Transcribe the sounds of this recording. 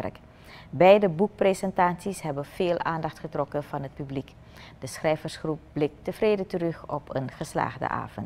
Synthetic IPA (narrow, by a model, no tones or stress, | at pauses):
rk | bɛjdəbuk̚presɛntaːtsisɦɛbənv̥eːlʔaːndɑχtχətrɔkənv̥ɑnɦət̚pyblik | d̥əsχrɛjvərsχrup̚blɪk̚təv̥rejdətərɵχɔpənχəsla̰ːχdə̰ʔa̰ːvənt